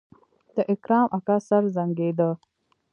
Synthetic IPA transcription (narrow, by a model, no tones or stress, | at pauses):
t̪əʔɪkɾaːmʔɐkasɐɾzɐŋɡeːd̪ə